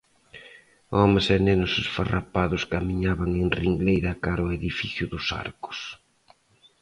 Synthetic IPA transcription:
ɔmesenenʊsesfarapaðʊskamiɲaβaŋeŋriŋɡlejɾɐkaɾʊeðifiθjʊðʊsa̰ɾkʊ̥s

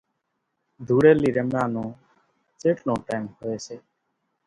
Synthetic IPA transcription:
d̪ʱuɽeliɾemano | t͡seʈnoʈɛmhoet͡ɕʰe

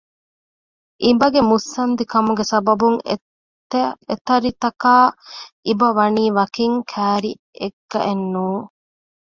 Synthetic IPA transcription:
ʔibɐɡemusːɐnd̪ikɐmuɡesɐbɐbuŋ | et̪ɐɾit̪ɐkaː | ibɐʋɐniːʋɐkiŋkʰæːɾi | ʔeɡːɐ̰ʔenːuː

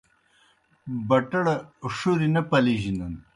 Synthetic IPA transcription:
bɐʈɐɽɐʂuɾinɐpɐliʒinɐn

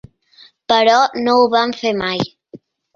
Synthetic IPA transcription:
pəɾɔnowβamfemaj

